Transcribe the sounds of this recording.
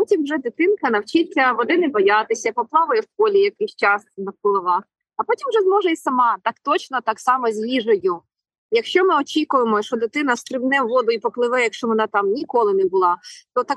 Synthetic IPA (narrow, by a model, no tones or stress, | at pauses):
pɔtʲimwʒɛd̪ɪt̪ɪnkɐnɐwt͡ʃɪtʲɐʋɔd̪ɪnɛbɔjɑt̪ɪsʲɐpɔplˠɑʋʊjɛwpɔlʲijɐkɪst͡ʃɑsnɐɡɔlˠɔʋɑx | ɐpɔtʲimʒɛzmɔʒɛisɐmɑt̪ɐkt̪ɔt͡ʃnɔt̪ɑksɑmɔzʲʋʲiʒɐjʊ | jɐkʃt͡ʃɔmɪɔt͡ʃʲikʊjemɔʃɔd̪ɪt̪ɪn̪ɐst̪ɾɪwnɛʋɔd̪ʊipɔplˠɪʋɛjɐkʃt͡ʃɔʋɔnɑt̪ɑmnʲikɔlˠɪnɛbʊlˠɑt̪ɔt̪ɑk